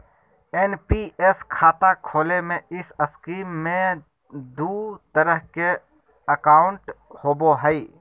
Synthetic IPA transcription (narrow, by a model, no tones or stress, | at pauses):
enpieskʰaːt̪akʰoːlemẽɪsəskiːmːẽ | d̪uːt̪əɾəɦke | əkaːʊɳʈhoːboɦəi